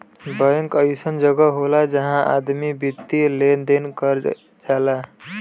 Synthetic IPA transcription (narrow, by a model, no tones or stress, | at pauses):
bəjə̃ŋkəjsənd͡ʒəɡəɦolad͡ʒəɦãʔad̪mibit̪ːilend̪enkəɾ | d͡ʒaːla